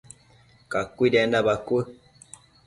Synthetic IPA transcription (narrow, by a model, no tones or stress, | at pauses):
kakwidɛndabakwə